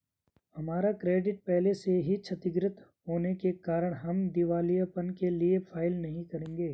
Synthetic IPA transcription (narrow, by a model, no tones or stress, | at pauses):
hɐmaːɾakɾeːɖɪʈ̚pɛɦleseɦit͡ʃʰɐt̪ɪɡɾɪt̪ɦoːnekekaːɾəɽ̃ɦɐmd̪ɪʋaːlijapɐnkeliefʰaːɪlnɐɦĩkɐɾẽːŋɡeː